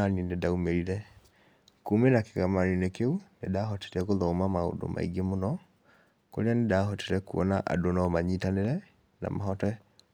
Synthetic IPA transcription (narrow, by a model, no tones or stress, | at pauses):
aninedaumeɾiɾɛ | kumenakeɣamaninekeunedaːɦɔte̥ɾɛkoðɔːmamao̰do̰mʔa̰iɡemonɔ | ko̰ɾeanedaːhɔteɾɛkuɔnaʔa̰donɔmaɲitaneɾɛ | na̰maɦɔtɛ